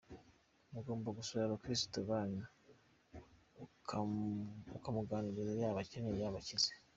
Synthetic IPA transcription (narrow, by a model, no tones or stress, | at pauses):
muɡo̞ːmbaɡusuaɾokɾistoβaːna | ukamuɡaːnuɾizajaːβaceɲejaːβacize̥